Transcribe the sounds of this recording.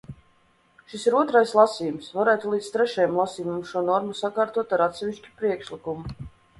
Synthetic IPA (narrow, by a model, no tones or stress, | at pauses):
ʃisiɾuɔt̪ɾajslˠasiːjumsvaɾæːt̪ulˠiːt̪st̪ɾɛʃɛjmlˠasiːjumumʃuɔnɔɾmusakaːɾt̪uɔt̪aɾat̪sɛvʲiʃt͡ʃʲi̥pɾiɛkʃlikumu